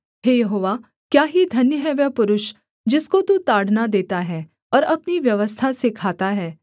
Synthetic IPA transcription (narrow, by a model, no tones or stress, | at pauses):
ɦeːjɐɦoːʋa | kjaːɦid̪ʱɐnjəɦɛʋjɛpʊɾʊʃ | d͡ʒɪskot̪ut̪aːɽ̤nad̪eːt̪aɦɛː | ɔːɾɐpniʋjɐʋəst̪ʰasekʰaːt̪aɦɛː